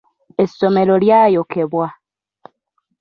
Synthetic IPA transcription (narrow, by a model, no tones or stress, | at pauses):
esome̞loljaːjokeβwa